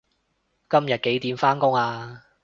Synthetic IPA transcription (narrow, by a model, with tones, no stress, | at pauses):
kɐ˥mjɐ˨t̚ke˨˥jt̪iː˨˩nfaː˥nkʊ˥ŋaː˧